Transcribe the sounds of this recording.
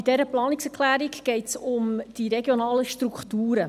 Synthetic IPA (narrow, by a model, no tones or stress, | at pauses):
id̥ɛɾəplɑːnɪksɛklæːɾikɡ̥ɛɪtsʊmd̥iɾɛɡjonɑːləʃtrukχtuːɾə